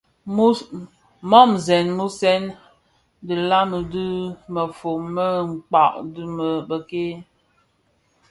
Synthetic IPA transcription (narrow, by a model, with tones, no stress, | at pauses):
mɔ˦mzɛ˨nmu˦sɛ˦n | də˨la˦mə˨dɨ˦mə˨fo˨mə˦ŋ̩˨k͡pa˨ʔdɨ˦mə˨bə˨ke˦